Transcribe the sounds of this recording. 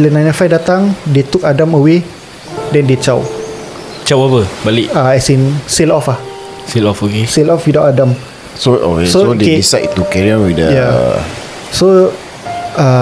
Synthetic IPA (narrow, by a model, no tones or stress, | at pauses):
lənajnəfajdat̪aŋdet̪ukadaməwe | dɛ̃ndet͡ʃaw | t͡ʃawabəbaliʔaɛsinselɔfah | selɔfokeselɔfjudaʔadãm | soʔo̰kesoodekeisajt̪ːukɛɹiãnwidəja | so | a